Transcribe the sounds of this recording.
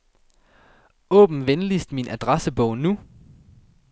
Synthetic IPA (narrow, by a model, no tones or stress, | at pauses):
ɔ̰̽ːb̥m̩ʋenlisd̥minʔæd̥ʁasəb̥ɔʊ̰nu